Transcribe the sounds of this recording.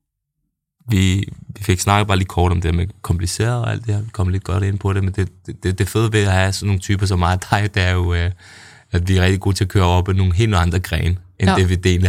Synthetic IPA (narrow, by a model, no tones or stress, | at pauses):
ʋiʋife̝ɡ̥snɑ̈ɡ̥əb̥ɑ̈ːliːkʰɒ̰ːɾ̥ɒ̽md̥eeɐmekʰɒ̽mpʰlise̝̰ːɐðˠɒ̽æ̰l̰d̥eeɐkʰɒ̽məle̝d̥̚ɡ̥ɒ̽ɾ̥e̝nəpʰɒ̽ɾ̥e̝mend̥e̝d̥d̥ed̥e̝føðˠʋe̝æhæsɒnːo̝ːŋ̩t͡sʰy̰ːb̥ɐs̬ɒ̽mːmɑ̈ːð̩ˠt͡sʰɑ̈ɪ̰d̥eæɐjo̝ | æd̥ʋiæʁɛɡ̥d̥iɡ̥o̝̰ːt͡sʰe̝ɒkʰø̰ːɐɒ̽b̥eno̝ːn̩ɦe̝̰ːlnɑ̈nd̥ʁɐɡ̥ʁɛ̰ːnen̥eʋed̥e̝̰ːn